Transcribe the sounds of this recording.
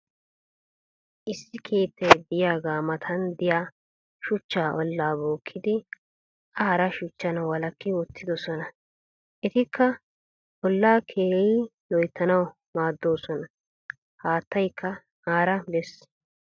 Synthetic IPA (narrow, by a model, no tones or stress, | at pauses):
ʔɪsːɪkʰeːt̪ːɛjb̪ɪjaːɡaːmɐt̪ʰɐnd̪ɪjaː | ʃʊt͡ʃːaːʔɔlːaːboːkʰːɪd̪ɪ | ʔaːɾɐʃʊt͡ʃːɐnɐwɐlɐkːɪwɔt̪ːɪd̪ɔsɔnɐ | ʔɛt̪ɪkʰːɐ | ɔlːaːkʰeːjɪlɔjt̪ːɐnɐw | maːd̪ːo̞ːsɔnɐ | haːt̪ːɐjkʰːɐ | ʔaːɾɐbɛs